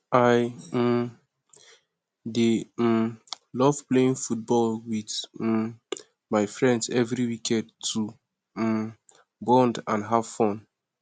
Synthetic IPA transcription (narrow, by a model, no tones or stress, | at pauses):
aj̩m | dem | lɔvpleĩŋfut̚bɔlwid | maɪfɹɛ̃ndsɛvɾiwikʰɛ̃dtʰu | bɔ̃ndãnɦav̥fɔ̃n